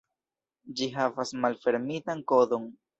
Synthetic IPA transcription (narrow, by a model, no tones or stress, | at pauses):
d͡ʒiɦavasmalfe̞ɾmitaŋko̞do̞n